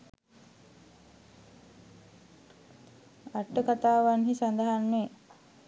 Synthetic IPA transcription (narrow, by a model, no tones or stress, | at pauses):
aʈːəkat̪aːʋanɦisand̪əɦanme